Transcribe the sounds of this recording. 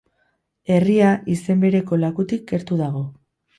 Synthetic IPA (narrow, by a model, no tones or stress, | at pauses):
e̞riaʔise̞mbe̞ɾe̞ko̞lakut̪ik̚ɡe̞ɾt̪uðaɣ̞o̞